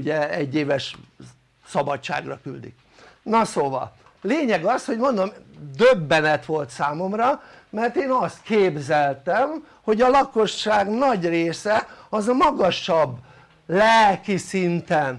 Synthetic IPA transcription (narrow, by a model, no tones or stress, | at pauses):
uɟɛɛɟːeːvɛʃ | sɒbɒtt͡ʃa̰ːɡrɒky̰ld̪ḭk̚ | nɒsoːvɒ̰l | leːɲɛɡɒsho̞ɟmond̪omd̪øbːɛnɛt̪ʋo̞lt̪saːmo̞mrɒmɛrt̪eːnɒst̪keːbzɛlt̪ɛm | ho̞ɟɒlɒko̞ʃːaːɡnɒɟreːsɛɒzɒmɒɡɒʃɒbː | lɛlkisint̪ɛn